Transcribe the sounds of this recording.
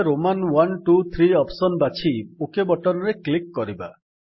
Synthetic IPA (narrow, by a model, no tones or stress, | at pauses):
ɾomanwanʈut̪ʰɾiɔpsɔnbat͡ʃʰiukebɔʈɔɾɔɾeklikːɔɾiba̰